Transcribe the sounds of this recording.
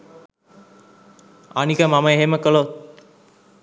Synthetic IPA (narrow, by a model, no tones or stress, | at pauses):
anikəmamɐeɦeməkolo